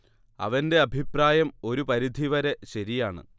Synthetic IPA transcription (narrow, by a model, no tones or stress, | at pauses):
ɐ̰ʋɐnde̞ɐbʱipraːjɐmo̞ɾupɐɾid̪ʱiʋɐɾe̞ɕɐɾijaːɳɨ̰